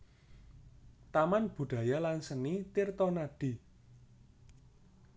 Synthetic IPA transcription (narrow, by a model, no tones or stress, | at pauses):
t̪amanb̥ṳɖ̥ä̤jalansənit̪irt̪ɔnaɖ̥i̤